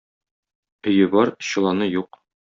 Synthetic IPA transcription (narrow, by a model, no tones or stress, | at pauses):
ɵ̆jɘbɒɾɕɤ̆lˠɑnɤjuq